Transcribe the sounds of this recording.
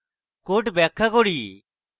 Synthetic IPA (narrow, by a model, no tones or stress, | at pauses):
koːʈbɛːkʰːakoːɽiː